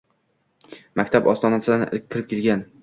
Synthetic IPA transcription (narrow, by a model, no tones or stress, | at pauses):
makʲt̪ʰapɒst̪ɒnasɪlanɪʔɪ̰lk̚ʲʰːɪɾɪp̚kʲʰelɡʲan